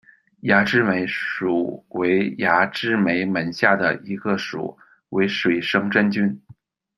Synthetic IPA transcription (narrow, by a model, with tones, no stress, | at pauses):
ja˧˥ʈ͡ʂɻ̩˥me˧˥ɪʂu˨˩we˧˥ɪja˧˥ʈ͡ʂɻ̩˥me˧˥ɪmə˨˩nɕja˥˩d̪ə˩i˧˥ɡə˧ʂṵ˨˩˦ | we˧˥ɪʂwe˨˩ɪʂɤ˥ŋʈ͡ʂə˥nt͡ɕy˥n